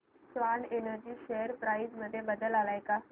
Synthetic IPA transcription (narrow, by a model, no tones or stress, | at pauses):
sʋanenəɾd͡ʑiːɕeəɾpɾaisməd̪ʱːjebəd̪əlalajka